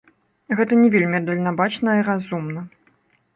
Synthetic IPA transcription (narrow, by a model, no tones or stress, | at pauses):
ɣɛt̪ɐnʲɛvʲelʲmʲiad̪ɐlʲnabat͡ʂnɐiɾazumnɐ